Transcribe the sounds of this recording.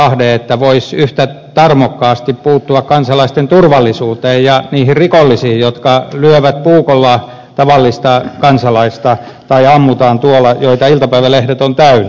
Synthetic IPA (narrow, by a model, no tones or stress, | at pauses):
ɑhdeːet̪ːæʋoisyht̪æ | t̪ɑrmokːɑːst̪ippuːt̪ːuɑkkɑnsɑlɑist̪ent̪urʋɑlːisuːt̪eːjjɑniːhirrikolːisiːijjot̪kɑlyøʋæt̪puːkolːɑ | t̪ɑʋɑlːist̪ɑkɑnsɑlɑist̪ɑ | t̪ɑiɑmːut̪ɑːnt̪uolɑjoit̪ɑilt̪ɑpæiʋælehdet̪ont̪æynæ